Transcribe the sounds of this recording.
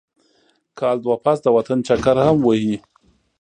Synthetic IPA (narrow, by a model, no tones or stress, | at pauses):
kʰɑld̪wapasd̪əwat̪ant͡ʃakaɾhamwəhi